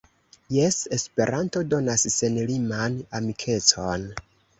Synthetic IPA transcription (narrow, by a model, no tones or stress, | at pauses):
je̞se̞spe̞ɾʔanto̞do̞nasse̞nlimanamikʰe̞t͡so̞n